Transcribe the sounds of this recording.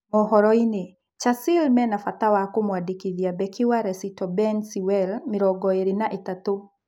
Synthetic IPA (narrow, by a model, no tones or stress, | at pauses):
mɔhɔɾɔine | t͡ʃasɪlmɛnafatawakomwadikiðiabɛkʰiwaɾɛsitɔbɛnsiwɛlmɪɾɔɡɔeɾinaʔitato